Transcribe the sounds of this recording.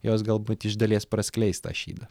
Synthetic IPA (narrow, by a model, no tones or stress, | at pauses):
joːs̬ɡɐlˠbʊt̪ʲɪʒd̪ɐlʲeːspɾɐsʲkʲlʲɛɪst̪ɑ̰ːʃʲḭːd̪ɐ